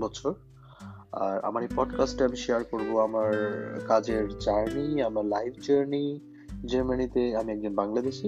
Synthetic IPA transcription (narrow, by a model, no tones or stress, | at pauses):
bɔt͡ɕʰoɾ | a̰ɾa̰maɾepɔɖkasʈeamiʃeaɾkoɾboamaɾkad͡ʑeɾd͡ʑaɾniamaɾlajbʰd͡ʑaɾni | d͡ʑaɾmanit̪eamiɛk̚d͡ʑonbaŋlad̪eʃi